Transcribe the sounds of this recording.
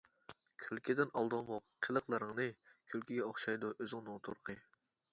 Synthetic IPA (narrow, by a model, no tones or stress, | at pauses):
kʲʰølkʲʰɪd̪ɪnɑlˠd̪ɑmoqqʰːəlˠəqlˠəɾəŋnɨkʲʰølkʲʰiɡʲɛoχʃɑjd̪uʔøzɪŋnɨŋt̪ʰṵɾqʰə